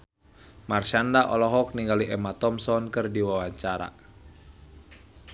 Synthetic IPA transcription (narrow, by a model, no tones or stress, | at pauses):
marʃandaʔɔlɔɦɔk̚niŋɡaliʔɛmat̪ɔmsɔnkɨrdiwawaɲt͡ʃaɾa̰